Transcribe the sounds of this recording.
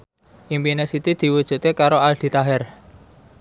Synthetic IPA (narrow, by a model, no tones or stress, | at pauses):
ʔimpinesit̪id̪̥i̤wud̥ʒ̥ṳt̪ekaɾoald̪̥i̤t̪aɦɛr